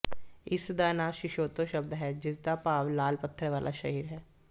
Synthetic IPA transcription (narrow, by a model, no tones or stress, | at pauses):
ɪsd̪aːnaːʃɪʃoːt̪õːʃəbd̪ɦɛːd͡ʒɪsd̪aːpaːʋlaːlpət̪ʰːəɾʋaːlʔa̰ːʃəɦiːɾɦɛː